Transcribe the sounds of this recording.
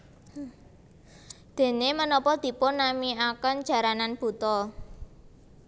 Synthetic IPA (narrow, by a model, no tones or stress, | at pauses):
d̪̥e̤nemənɔpɔd̪̥i̤pʊnːamiakən̥d͡ʒ̥a̤ɾananb̥ṳt̪ɔ